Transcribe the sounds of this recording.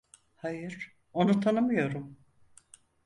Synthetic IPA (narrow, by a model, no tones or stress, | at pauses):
hajɯɾ | o̞nut̪ʰanɯmɯjo̞ɾum